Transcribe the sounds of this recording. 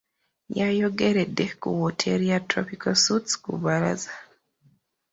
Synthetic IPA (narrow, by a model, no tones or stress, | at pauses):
ɲajɔɡeɾedɛkṵwɔtʰeɾiatɾɔpikɔsutskṵbaɾa̰za